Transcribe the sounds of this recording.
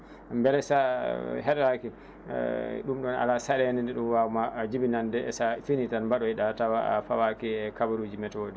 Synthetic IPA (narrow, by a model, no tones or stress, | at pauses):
mbɛlɛsaɦɛɗɾakḭ | ɗumɗɔna̰lasaɗɛnɛndɛɗumwawmad͡ʒibinandɛɛsafinitanmbaɗɔiɗatawafawakiɛkabaɾud͡ʒimɛtodɛ